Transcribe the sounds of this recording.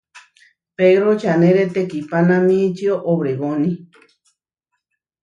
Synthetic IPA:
peɾot͡ʃanẽɾet̪ekipanãmĩt͡ʃioʔoβɾeβonĩ

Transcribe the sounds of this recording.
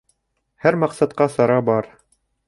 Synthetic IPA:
hæɾmɑqsɑt̪̚qɑsɑɾɑbɑɾ

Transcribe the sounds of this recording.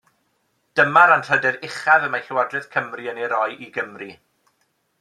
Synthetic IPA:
d̥əmaɾanr̥ədɛɾɪχaðəmajɬɪwadrɨðkʰəmriəneɾɔjʔiɡəmri

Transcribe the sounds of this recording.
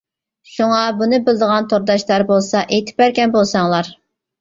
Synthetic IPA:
ʃuŋɑbunɨbɪld̪əʁɑnt̪ʰoɾd̪ɑʃlˠɑɾbolˠsɑʔejt̪ʰɪ̥p̚æɾkʲɛnbolˠsɑŋlˠɑɾ

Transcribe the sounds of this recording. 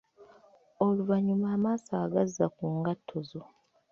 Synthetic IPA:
o̞luvaɲumaːmaːsaːɡazːakuːŋɡatʰːo̞zo̞

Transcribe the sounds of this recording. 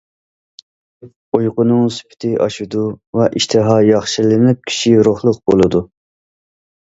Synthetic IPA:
ojqʊnɨŋsy̥pʰɪ̥t̪ʰɪʔɑ̰ʃud̪uvɛʔiʃt̪ʰɨɦɑjɑχʃilɪnɪp̚kʲʰi̥ʃiɾoχlˠʊq̚b̥olˠɨd̪u

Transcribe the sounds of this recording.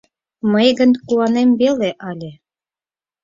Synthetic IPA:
məjɡə̆nkuwɑnembeleʔɑlʲe

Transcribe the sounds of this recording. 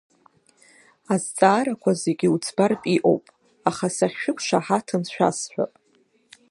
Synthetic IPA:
azt͡sʼaːɾakʷʰaze̞ɡʲɪut͡sʰbarpʼiʔo̞̰wpʼ | aχasaχʲʃᶣʊkʷʰʼʃaħatʰɨnʃʷᶣa̰sħʷᶣa̰pʼ

